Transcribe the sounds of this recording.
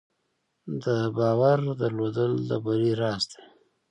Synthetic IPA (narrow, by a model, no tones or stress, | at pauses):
d̪əbɑwaɾd̪əɾlod̪əld̪əbaɾiɾɑsd̪e̥